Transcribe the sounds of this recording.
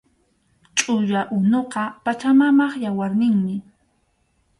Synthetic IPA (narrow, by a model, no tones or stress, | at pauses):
t͡ʃʼʊjaʔʊnoqɑpat͡ʃamamɑχjawaɾnɪŋmɪ